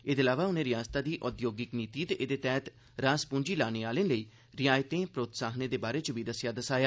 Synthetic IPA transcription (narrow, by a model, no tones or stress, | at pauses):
ed̪eːlaːʋaːʊnẽːɾɪjaːst̪aːd̪iːʔɔːd̪joːɡɪkniːt̪iːd̪eːd̪eːt̪ɛːt̪ | ɾaːspʊɲd͡ʒiːlaːneːaːlẽːləiː | ɾɪjaːjt̪ẽːpɾoːt̪saːɦneːd̪eːbaːɾeːt͡ʃʋiːd̪əsjaːd̪əsaːjaː